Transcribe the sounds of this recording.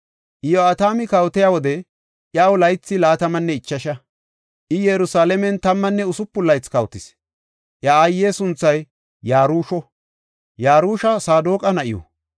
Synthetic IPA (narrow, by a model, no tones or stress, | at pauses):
ʔɪjɔat̪aːmɪkɐwʊt̪ɛjaːwɔd̪ɛ | ʔjawʊlɐjt͡sːɪlaːt̪ɐmɐnːɛɪt͡ʃːɐʃɐ | ʔɪjɛɾʊsaːlɛmɛnt̪ɐmːɐnːɛʊsʊpːʊlːɐjt͡skɐwʊt̪ɪs | ʔjɐajːeːsʊnt͡sːɐjː | aːɾuːʃɔ | jaːɾuːʃɐsaːd̪oːkʼɐnɐʔɪ̰jɔ̰